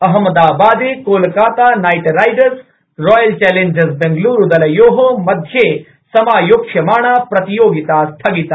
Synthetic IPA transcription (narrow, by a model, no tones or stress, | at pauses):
ɐɦɐmɐd̪aːbaːd̪eːkoːlkaːt̪aːnaːjʈɾajɖɐɾs | ɾɔːjɐlt͡ʃɛːleɲd͡ʒɐsbeŋɡluːɾud̪ɐlɐjoːɦomɐd̪ʱjeː | sɐmaːjoːkʂjɐmaːɳapɾɐt̪ijoːɡit̪aːst̪ʰɐɡit̪a